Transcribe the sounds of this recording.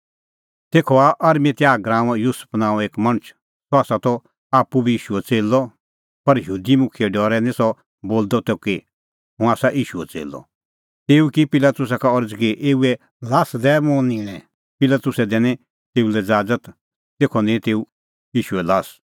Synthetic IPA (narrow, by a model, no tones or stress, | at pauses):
t̪eːkʰɔaʔɐɾmẽt̪jaːɡɾãːʋ̃jusə̥pʰnãːɔeːkmɐ̃nət͡ʃʰ | sɔaːsat̪ɔ | aːpːubʱiiːʃuɛt͡seːlɔ | pɐɾjɦuːd̪imʊkʰiɛɖɔːɾɛnĩsɔ | boːld̪ɔt̪eke | ɦʊ̃aːsaʔiːʃuɛt͡sḛːlɔ̰ | t̪eːukipɪlat̪ʊs̬akaɔɾd͡zkeʔeːuɛ | laːsd̪ɛmõːnĩːñɛ̃ | pɪlaːt̪ʊsɛd̪ɛ̃ːnɛ̃ | t̪eːulɛd͡zaːd͡zət̪ | t̪eːkʰɔnẽt̪eːu | iːʃuɛlaːs